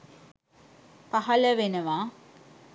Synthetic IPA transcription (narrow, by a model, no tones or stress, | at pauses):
paɦɐləʋenəʋaː